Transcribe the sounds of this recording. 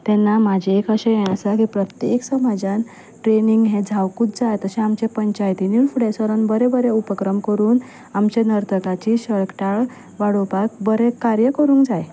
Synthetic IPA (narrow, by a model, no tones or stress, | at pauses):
t̪ɛnːamad͡ʑʱeekəɕej̃əsakipɾət̪jeksəmad͡ʑãn | ʈɾeniŋɡɦẽd͡zʱawkut̪̚d͡zajt̪əsẽamt͡ɕepəɲt͡ɕajt̪inilfuɽesəɾənbəɾebəɾeupəkɾəmkəɾuːn | amt͡ɕenəɾt̪ʰəkat͡ɕiːɕəɭkʈaɭ | ʋaɽopak̚bəɾekaɾjəkəɾũːŋkd͡zaj